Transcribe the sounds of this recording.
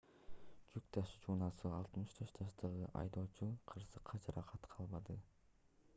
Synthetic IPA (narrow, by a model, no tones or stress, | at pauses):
d͡ʒyk̚t̪ɑʃt͡ʃʰuːnɑsɯɑlˠt̪mɯʃt̪ʰøʃt̪d͡ʒɑʃt̪ɑʁɯʔɑ̰jd̪o̞ːt͡ʃuqʰɯɾsɯqʰːɑd͡ʒɑɾʔɑqʰɑt̪qʰɑlˠbɑd̪ɯ